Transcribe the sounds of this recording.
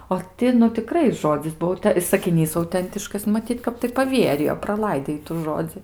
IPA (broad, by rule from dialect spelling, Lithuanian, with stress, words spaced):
oː ˈtʲɪ nʊ tʲɪˈkrɐɪ ˈʒoːd͡zʲɪs ˈbuɔ tɐ ɪ sɐkʲɪˈnʲiːs ɐʊˈtʲɛnʲtʲɪʃkɐs mɐˈtʲiːt ˈkɐp tɐɪ pɐˈʋʲiɛrʲɪjoː prɐˈlˠɐɪdʲeː ˈɪtuː ˈʒoːd͡zʲɪ